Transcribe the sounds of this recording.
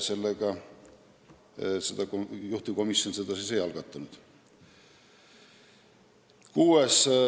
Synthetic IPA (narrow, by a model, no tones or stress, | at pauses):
se̞lːeɡ̥ɑ | sed̪̥ɑkjuht̪iko̞misjo̞nse̞d̪̥ɑsise̞jɑlɡ̥ɑt̪ˑːɑnud̪̥ | kuːes